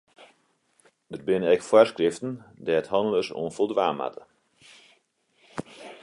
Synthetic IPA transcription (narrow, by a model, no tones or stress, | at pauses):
dərbɪnəɛkfwarskrɪftən̩dɛəthɑnələsɔ̰ːnfɔlˠdʋa̰ːma̰tʰə